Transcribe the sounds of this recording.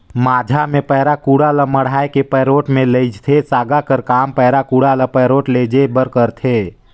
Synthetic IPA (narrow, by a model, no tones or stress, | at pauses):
maːd͡ʒʱamẽpɛɦɾakuːɽaləməɽ̤aːekepɛːɾoːʈmẽləɪd͡ʒt̪ʰesaːɡakəɾkaːmpɛːɾakuɽaləpɛːɾoːʈleːd͡ʒebəɾkəɾt̪ʰeː